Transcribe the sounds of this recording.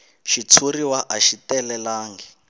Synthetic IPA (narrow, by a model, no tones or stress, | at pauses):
ʃit͡sʰuriwaʔaʃitɛlɛlaːŋɡɛ